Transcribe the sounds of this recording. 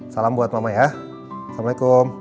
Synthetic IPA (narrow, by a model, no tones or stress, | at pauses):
salambuat̪̚mamaja | samaikʊm